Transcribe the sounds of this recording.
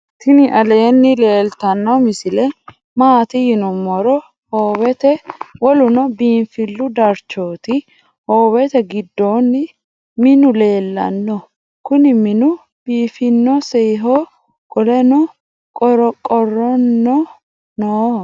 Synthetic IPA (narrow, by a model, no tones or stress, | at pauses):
t̪ɪnɪʔɐle̞ːnːɪle̞ːlt̪ɐnːɔmɪsɪlɛ | maːt̪ɪjɪnʊmɔɾɔ | hoːβɛt̪ɛwɔlʊnɔbiːnfɪlːʊd̪ɐɾt͡ʃːo̞ːt̪ɪ | hoːwɛt̪ɛɡɪd̪ːo̞ːnːɪ | mɪnʊle̞ːlːɐ̰nːɔ | kʊnɪmɪnʊ | b̥iːfɪnːɔsɛjɦoː | kʼɔlɛnʊ | kʼɔɾɔkʼɔrɔnːɔ | noː